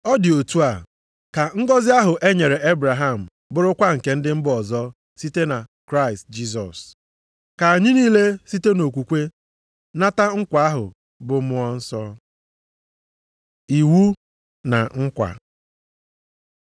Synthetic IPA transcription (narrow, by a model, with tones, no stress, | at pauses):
ɔ˦dɪ˨o˨tu˦a˨ | ka˨ŋ̩˦ɡɔ˦zɪ˦a˦ɦʊ˨ʔe˦ɲe˨ɾe˨e˦bɾa˨ɦa˦˨m̩˨ | bʊ˦ɾʊ˦kʷa˦ŋ̩˨ke˦n̩˦dɪ˦m̩˦bɔ˨zɔ˦ | si˦te˦na˨kɾa˦ɪ˨st̚d͡ʒi˦s̬ɔ˨s | ka˨a˨ɲɪ˦niː˦le˦si˦te˦no˨kʷu˨kʷe˦ | na˦ta˦ŋ̩˦kʷa˨a˦ɦʊ˨ | bʊ˨mʊ˦ɔ˦n̩˦sɔ˦ | i˨wu˦ | na̰˨ŋ̩˦kʷa̰˨